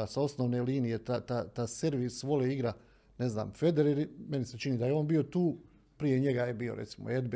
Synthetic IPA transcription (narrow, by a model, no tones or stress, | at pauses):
asao̞snoʋne̞liːnije̞t̪at̪at̪aːseɾʋisʋo̞leiɡɾa | ne̞zna̰ːmfe̞d̪eɾelime̞nise̞t͡ʃiniːd̪ajeo̞ːnbio̞t̪uː | pɾije̞ɲe̞ɡajebiːoɾḛt̪simo̰ed̪b